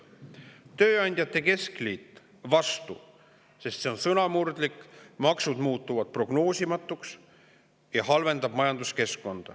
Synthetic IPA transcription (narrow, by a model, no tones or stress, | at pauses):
t̪ø̞ːɑnʲd̪̥ʲjɑt̪ːˑe̞ke̞skliːt̪ˑ | vɑst̪ṵ | se̞st̪se̞o̞nsɤnɑmurd̪̥likːmɑksud̪̥muːt̪ːˑuvɑd̪̥̚pro̞ɡ̥no̞ːsʲimɑt̪ːˑuks | jɑɦɑlve̞nd̪̥ɑb̥mɑjɑnd̪uske̞skːo̞nd̪̥ɑ̰